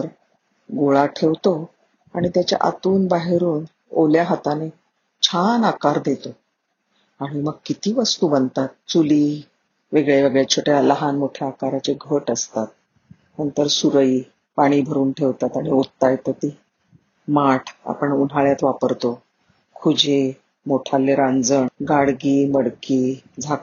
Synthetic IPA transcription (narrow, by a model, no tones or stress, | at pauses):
əɾ | ɡoɭaʈʰeʋt̪o | aɽ̃it̪jat͡ɕja̰ʔa̰t̪uːnbaɦeɾuːn | o̰ljaɦat̪ane | t͡ɕʰanakaɾd̪et̪o | aɽ̃iməɡ̚kit̪iːʋəst̪uːbənt̪at̪̚t͡suliː | ʋeɡɭjeʋəɡɭjat͡ɕʰoʈjaləɦanmoʈʰjaːkaɾat͡seɡʱəʈəst̪at̪̚ | nənt̪əɾsuɾiː | paɽ̃iːbʱəɾuːnʈʰeʋt̪at̪aɽ̃iot̪ːajet̪əɾt̪iː | maʈʰa̰pəɳun̤aɭjat̪ʋapəɾt̪o | kʰud͡ʑe | moʈʰalːeɾãnd͡zəɳɡaɽɡiːməɽkiːd͡zʱa